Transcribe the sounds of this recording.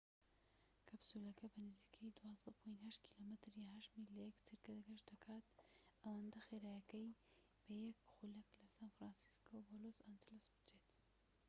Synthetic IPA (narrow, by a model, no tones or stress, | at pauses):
kʰɐbsulɐkʰɐbɐnɨzikʰɐjd̪uwɑsɑt̪pʰojnhɐʃt̪kʰi̥lomɨt̪ɾjaːɦɐʃt̪milɐjɛkt̪ʰɨɾkɐd̪ɐɡɐʃd̪ɐkʰaːt̪ʔɐwɐnd̪ɐxeɾaːjɐkɐj | b̥ɐjɐkxulɐklɐsanfɾɑnsi̥skʰobolosand͡ʒɪlɐsbɨ̥t͡ʃet̪